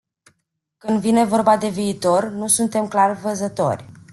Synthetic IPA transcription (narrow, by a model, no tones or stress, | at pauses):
kɨnd̪vine̞vo̞rbad̪e̞viːt̪o̞rnusunt̪e̞mklarvəzət̪o̞̰rʲ